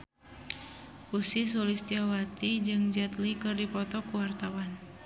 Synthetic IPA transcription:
usis̬ulist̪iawat̪id͡ʒɨŋd͡ʒat̪likɨrdipɔt̪ɔkuwart̪awan

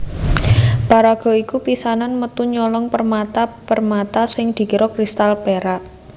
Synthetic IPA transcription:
paɾaɡ̥ɔ̤ikupisananmət̪uɲɔlɔŋpərmat̪apərmat̪asɪŋd̪̥i̤kiɾɔkɾist̪alpeɾa

